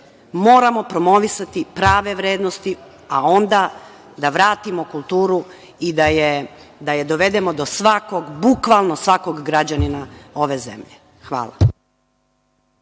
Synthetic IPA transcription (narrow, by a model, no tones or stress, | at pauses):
mo̞ːɾamo̞pɾomo̞ʋisat̪ipɾaːʋe̞ʋɾeːd̪nost̪i | a̰o̞nd̪a | d̪aʋɾaːt̪imokulˠt̪uːɾu | id̪aje | d̪ajed̪o̞ʋe̞d̪e̞mo̞d̪osʋako̞ɡbukʋalˠnosʋako̞ɡɡɾad͡ʑaninao̞ʋe̞zḛmʎe | xʋa̰ːlˠa̰